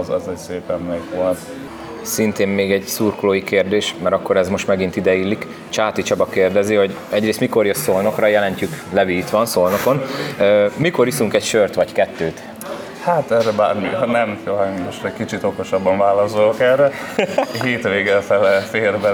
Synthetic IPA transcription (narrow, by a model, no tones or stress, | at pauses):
zɛzɛcseːpɛmːɛkʋolt̪ | sint̪eːmmeːɡɛɟsurkloːjikeːrd̪eːʃmɛɾɒkːo̞ɾɛzmo̞ʃt̪mɛɡint̪id̪ɛilːik | t͡ʃaːt̪it͡ʃɒbɒkeːrd̪ɛziho̞ɟ | ɛɟreːst̪miko̞rjøssolno̞krɒjɛlɛɲcyklɛvit̪ʋɒnsolno̞ko̞nømikoɾisuŋkɛcʃørt̪ʋɒɟkɛt̪ːøːt̪ | haːt̪ɛrɛbaːrminɛmfolɛmoʃt̪ɛckit͡ʃit̪oko̞ʃɒbːɒɱvaːlɒsolokɛrɛ | ɦeːt̪ʋeːɡɛfɛlɛfeːrbɛ